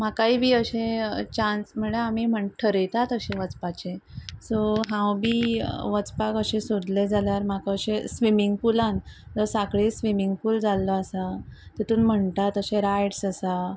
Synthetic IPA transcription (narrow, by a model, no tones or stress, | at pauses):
makaibʱiːəɕẽt͡ɕansm̤əɽeamiːm̤əɳʈʰəɾəjt̪at̪əɕẽʋət͡spat͡ɕesɔɦãwbʱiːʋət͡spakəɕesod̪led͡zʱaljaɾmakaəɕesʋimiŋɡpulãnd͡zəsakɭesʋimiŋɡfuːld͡zalːɔasat̪it̪uːnm̤əɳʈ̪at̪əɕẽɾajɽsəsa